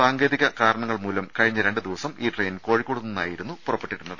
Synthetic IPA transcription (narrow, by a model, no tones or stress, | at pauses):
aːŋɡe̞ːðiɣɐkaːɾɐɳɐŋːɐɭmuːlɐmkɐɻiɲːɐɾe̞ɳɖɨd̪iʋɐsɐmiːʈreːnko̞ːɻikːo̞ɽunːunːa̰ːjiɾun̪ːupurɐpːeʈːiɽunːɐðɨ